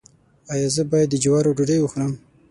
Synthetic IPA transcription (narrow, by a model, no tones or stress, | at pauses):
ɑjɑzəbɑjad̪ːəd͡ʒawɑɾoɖuɖəjwuxuɾəm